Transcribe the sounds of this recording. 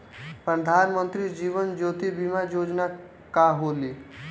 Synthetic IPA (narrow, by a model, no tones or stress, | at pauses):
pɾəd̪ʱaːnmənt̪ɾid͡ʒiːʋənd͡ʒoːt̪ibimajoːd͡ʒna | kaɦoːliː